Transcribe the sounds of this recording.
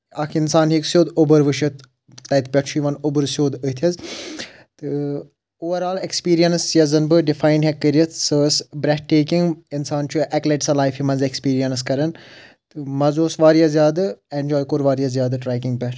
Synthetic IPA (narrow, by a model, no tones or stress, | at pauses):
ɐkʰinsaːnɦiksjoːd̪obɐɾʋɨʃɨt̪ | t̪ːɐjt̪pʲɐʈt͡ʃʰuiʋɐnobɨɾsjoːd̪ət̪ʰɐz | t̪ɨ | oːʋɐɾaːlekspiːɾijɐnsjɐzɐnbɨɖifaːjnɖɦɛkːəɾijɐt̪ʰsəːsbɾɛʈeːkiŋɡinsaːnt͡ʃʰuʔɛkleʈsɐlaːjfimɐnzekspiːɾijɐnskɐɾɐnt̪ɨmɐzoːsʋaːɾijazʲjaːd̪ɨenʲd͡ʒɔːjkoːɾʋaːɾjɐzjaːd̪ɨʈɾaːkiŋɡpʲɛʈʰ